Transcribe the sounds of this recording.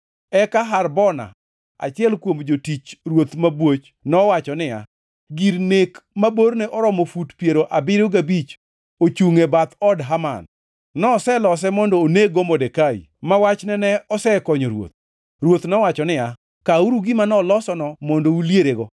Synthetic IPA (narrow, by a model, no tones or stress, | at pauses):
ɛkaɦarbɔna̰ | a̰t͡ʃɪɛlkwomd͡ʒotit͡ʃɾwot̪mabwot͡ʃ | nɔwat͡ʃɔnɪja̰ | ɡiɾnekmabornɛʔɔɾɔmɔfutpjeɾoʔabɪɾoɡabit͡ʃ | ot͡ʃuŋebat̪ɔdɦama̰nː | ɔːsɛlɔs̬ɛmɔndɔːneɡomɔdekaḭ | mawat͡ʃnɛnɛɔsɛkɔɲɔɾwo̰t̪̚ | ɾwot̪nɔwat͡ʃɔnɪja | kauɾuɡɪmanɔlɔsɔnɔmɔndouljeɾeɡɔ